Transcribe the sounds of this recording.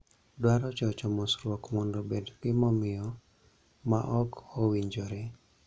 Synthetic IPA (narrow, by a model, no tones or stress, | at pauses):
dwaɾɔt͡ʃɔt͡ʃɔmɔsɾwɔkmɔndɔbedɡɪmɔmɪɔ | ma̰ʔɔkowiɲd͡ʒɔɾɛ